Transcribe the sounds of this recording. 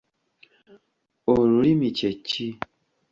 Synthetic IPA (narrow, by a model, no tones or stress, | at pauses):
oɾuɾimĩt͡ʃɛt͡ʃi